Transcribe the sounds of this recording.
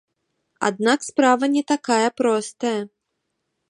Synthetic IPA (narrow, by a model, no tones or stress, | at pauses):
a̰d̪nakspɾavɐnʲɛt̪akajɐpɾɔst̪ɐjɐ